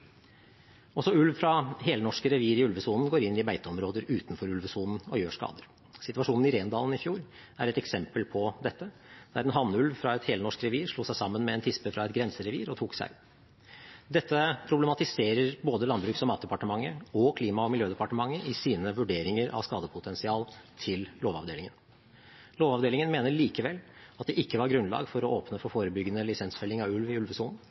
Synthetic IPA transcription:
ɔsɔʉlʋfɾɑɦeːlənɔʂkəɾɛʋiːɾɪʉlʋəsuːnn̩ɡoːɾɪnːɪbæɪt̪əɔmɾoːd̪əɾʉːt̪nfɔɾʉlʋəsuːnn̩ɔjøːʂkɑ̰ːd̪əɾ | sɪt̪ʉʋɑʂuːnn̩ɪɾeːnd̪ɑːln̩ɪfjuːɾæɾɛt̪ɛksɛmpəlpʰɔd̪ɛt̪ːə | d̪̥æɾɛnɦɑnːʉlʋfɾɑɛt̪heːlənɔʂkɾɛʋiːɾʂluːsæɪsɑmːənmɛɛnt̪ʰɪspəfɾɑɛt̪ɡɾɛnsəɾɛʋḭːɾɔt̪ʰuːksæ̰ɪ | d̪ɛt̪ːəpʰɾʊblɛmɑt̪ɪseːɾəɾboːd̪əlɑnbɾʉːksɔmɑːt̪̚d̪ɛpɑʈəmɑŋːəɔkʰliːmɑɔmɪljøːd̪ɛpɑʈəmɑŋːəʔɪsiːnəʋʉɖeːɾɪŋəɾʔɑ̰ʋskɑːd̪əpʰʊt̪ʰɛnsɪɑːlt̪ʰɪlloːʋɑ̰ʋd̪eːlɪŋən | loːʋɑʋd̪eːlɪŋənmeːnəɭiːkəʋɛl | ɑt̪̚d̪ɛʔɪkːəʋɑɾɡɾʉnlɑ̰ːɡfɔɾɔʔoːpnəfɔfoːɾəbʏɡːənəlɪsɛnsfɛlːɪŋɑʋʉlʋɪʉlʋəsuːn̩

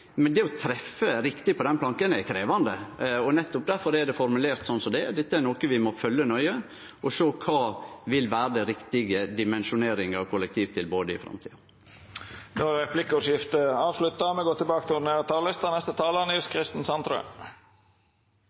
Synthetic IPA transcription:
mɛnd̪ɛɔt̪ʰɾɛfəɾɪkt̪ɪpʰɔd̪ɛnpʰlɑŋkənɛkʰɾeːʋɑnd̪əɔnɛt̪ːʊp̚d̪æɾfɔɾɛd̪ɛfɔɾmʉleːɾt̪sɔnːsɔmd̪ɛd̪ɛt̪ːəæɾnoːkəʋɪmɔfœlːənœʏə | ʔɔʂøːkʰɑːʋɪlʋæːɾəd̪ɛɾɪkt̪ɪɡəd̪ɪmɛnʃʊneːɾɪŋəɑʋkʰʊlɛkt̪ʰiːʋt̪ʰɪlboːd̪əɪ̰fɾɑ̰mt̪ʰḭːɑ | d̪oɛpʰlɪkɔʂɪft̪əɑːʋslʉt̪ːɑmɛɡoːt̪ʰɪlbɑːkət̪ʰɪn̩eːɾt̪ʰɑːllɪst̪ɑnɛst̪ət̪ʰɑːlənɪlskʰɾɪst̪n̩sɑnt̪ɾø̰

